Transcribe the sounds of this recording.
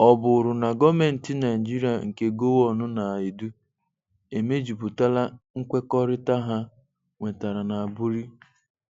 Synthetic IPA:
ɔ˨bʊ˨ɾʊ˨na˨ɡɔ˦me˨n̩˨ti˦na˨d͡ʒi˦ɾi˨˦a˨ŋ̩˨ke˨ɡo˦wɔ˦nʊ˦na˨i˨du˦ | e˨me˦d͡ʒu˨pu˨ta˦la˦ŋ̩˦kʷe˦kɔ˦ɾɪ˦ta˦ɦa˦ | ŋʷe˨ta˨ɾa˨na˨a˨bʊ˦ɾi˦

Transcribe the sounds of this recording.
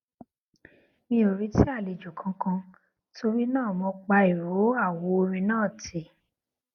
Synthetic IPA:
mĩ˧o˨ɾi˦ti˦a˦˨le˨d͡ʒu˨kʰã˨˧kã˧ | tʰo˧ɾi˦nãː˦˨mɔ̃˧k͡pa˧i˨ɾo˨˦a˦˨wo˨˦˧ɾ̃ĩ˧nãː˦˨te˨˦

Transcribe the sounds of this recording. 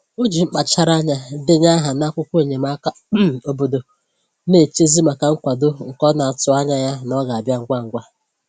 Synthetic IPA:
o˦d͡ʒi˨ŋ͡m̩˦k͡pa˨t͡ʃa˦ɾa˦ɲa˦dɪ˦ɲa˦ɦa˨na˦kʷʊ˦kʷe˨ɲe˨ma˦ka˦˨o˨bo˨do˨ | me˦˨t͡ʃe˦zi˦ma˨ka˨ŋ̩˦kʷa˨dʊ˦ŋ̩˨kɔ˦na˨tʊ˨a˦ɲa˦ja˦nɔ˦ɡa˨a˨bja˦ŋ̩˦ɡʷa˦ŋ̩˨ɡʷa˦

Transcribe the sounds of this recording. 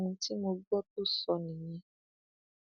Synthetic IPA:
ŋũ˦ti˦mo˧ɡ͡bɔ˦t̚o˦sɔ˨˧nĩ˨ɲɛ̃˦

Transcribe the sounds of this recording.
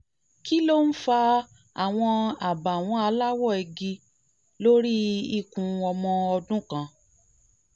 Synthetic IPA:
ki˦lo˦n̩˦fa˧ | a˨w̃ɔ̃˧a˨ba˨w̃ɔ̃˧a˧la˦wɔ˦˨ɛ˧ɡi˧ | lo˦ɾi˦i˦˨kũ˨˧ɔ˧mɔ̃˧ɔ˧dũ˦kã˧

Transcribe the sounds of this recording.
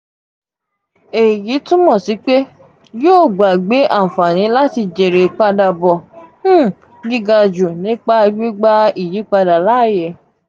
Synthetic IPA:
e˨ji˨˦tũ˦mɔ̃˦˨si˨˦k͡pe˦ | joː˦˨ɡ͡ba˨ɡ͡be˨˦ʔa˦˨fa˨nĩ˨˦la˦ti˧d͡ʒe˨ɾe˨k͡pa˧da˨bɔ̃˨˦˨ | ɡi˦ɡa˧d͡ʒu˨nĩ˨˦k͡pa˦˧ɡ͡bi˦ɡ͡ba˦i˦˨ji˨˦k͡pa˧da˨la˨˦˨je˨

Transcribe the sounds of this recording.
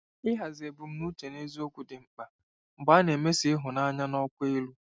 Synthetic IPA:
ɪ˦ɦa˨ze˨bu˨m̩˦nu˦te˨ne˦zi˦o˦kʷu˨dɪ˨ŋ͡m̩˨k͡pa˨ | ŋ͡m̩˨ɡ͡ba˦ne˨me˦si˨˦ɦʊ˨na˦ɲa˦nɔ˦kʷe˦lu˦

